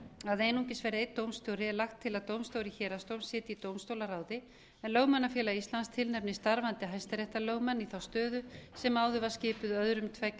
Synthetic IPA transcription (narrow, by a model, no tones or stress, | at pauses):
aðejnuŋcɪsvɛːɾɪejt̪t̪ːowmst̪jowɾɪɛlaxt̪ʰːɪlaðt̪owmst̪oːwɾɪçɛːɾast̪owmsjɛːt̪ɪit̪owmst̪owlaɾaːwðɪ | ɛnlœɣmanːafjɛːlaist̪lanst̪ʰɪlnɛpnɪst̪aɾvant̪ɪɦajst̪ɪɾɛht̪alœːwɣmanːiθawst̪œːðʏsɛmaːwðʏvaɾ̥scɪːpʏðœðɾʏmt̪ʰvɛk